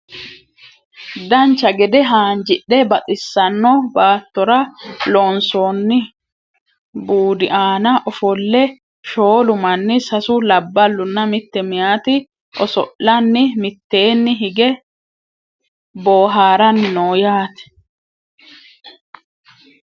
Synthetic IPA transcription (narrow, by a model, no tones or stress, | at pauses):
d̪ɐnt͡ʃːɐɡɛd̪ɛɦaːnd͡ʒɪʔːɛbɐt̪ʼɪsːɐnːɔbaːt̪ːɔɾɐlɔnsoːnːɪ | buːd̪ɪʔaːnɐʔɔfɔlːɛ | ʃoːlʊmɐnːɪsɐsʊlɐbːɐlːʊnːɐmɪt̪ːɛmɪjaːt̪ɪ | ʔɔsɔ̰ʔːɐnːɪmɪt̪ːe̞ːnːɪɦɪɡɛ | boːɦaːɾɐnːɪnoːjaːt̪ɛ̥